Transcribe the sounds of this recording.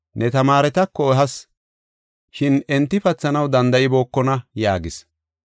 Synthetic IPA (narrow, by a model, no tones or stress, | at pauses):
nʔɛt̪ɐmaːɾɛt̪ɐkːɔɛɦɐs | ʃɪnɛnt̪ːɪfɐt͡sːɐnɐwd̪ɐnd̪ɐʔɪbo̞ːkːɔnɐjaːɡɪs